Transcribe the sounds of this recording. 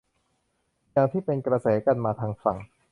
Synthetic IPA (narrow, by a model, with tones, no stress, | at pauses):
jaː˨˧ŋt̪ʰiː˥˩pe˧nkɾa˧sɛː˩˦˥ka˧nmaː˧t̪ʰaː˧ŋfa̰˨˩ŋ